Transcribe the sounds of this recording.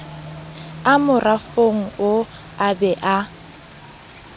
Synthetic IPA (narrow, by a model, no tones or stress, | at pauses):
amʊrafoŋ̩ʊ | abɛʔa